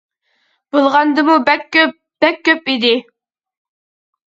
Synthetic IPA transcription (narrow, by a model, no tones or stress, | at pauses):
b̥olˠʁɑnd̪ɨmub̚ | b̥ɛkʲʰːøpid̪ɪ